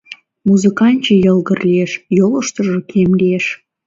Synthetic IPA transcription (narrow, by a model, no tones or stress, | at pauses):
muzɨkɑnʲt͡ɕĕjɤ̆lˠɡə̆rlʲeʃjolˠoʃt̪ɤ̆ʒɤ̆kʲʰemlʲeʃ